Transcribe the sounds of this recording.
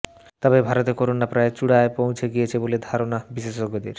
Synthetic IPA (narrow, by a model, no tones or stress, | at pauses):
t̪ɔbebʱaɾot̪ekoɾonapɾaet͡ɕuɽaepõw̃t͡ɕʰeɡijet͡ɕʰeboled̪ʱaɾonabiʃeʃoɡod̪ḛɾ